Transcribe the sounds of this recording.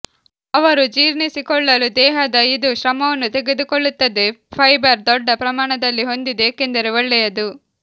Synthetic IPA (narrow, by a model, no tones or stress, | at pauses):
ɐʋɐɾud͡ʒiːɾnisikɔɭːɐlud̪ɛːɦɐd̪ɐid̪uʃɾɐmɐʋɐnːut̪e̞ɡed̪ukɔɭːut̪ːɐd̪epʰɐjbɐɾd̪ɔɖːɐpɾɐmaːɳɐd̪ɐlːiɦo̞nd̪id̪ekend̪ɐɾeʋɐɭːɛjɐd̪u